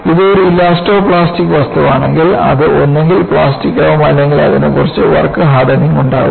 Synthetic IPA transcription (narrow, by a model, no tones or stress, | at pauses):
iðɨoɾuilːaːsʈoːpɭaːstikːɨʋɐst̪ʰɐʋaːɳe̞ŋɡilɐ̰ðɨʔo̞nːe̞ŋɡilpɭaːstikːɐʋumɐlːe̞ŋɡilɐ̰ðinekːurɐt͡ɕːɨʋɐ̰rɐkːɨɦaːd̪ɐniŋuɳɖa̰ːɣṵm